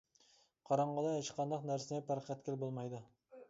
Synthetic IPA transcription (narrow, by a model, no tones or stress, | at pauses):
qʰɑɾɑɴʁɑlˠɑjɑt͡ʃəqʰɑnd̪ɑqnæɾsɪnɛpæɾqʰæt̪̚kʲɪlbolˠmɑjd̪u